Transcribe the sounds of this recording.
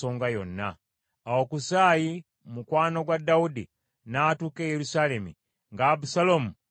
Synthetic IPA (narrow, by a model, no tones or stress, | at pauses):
o̞ːŋɡajo̞nːaː | wo̞kusaːji | mukwaːno̞ɡwadːaudi | natuːkejeɾusaːle̞mḭ | ŋɡaːbusalomu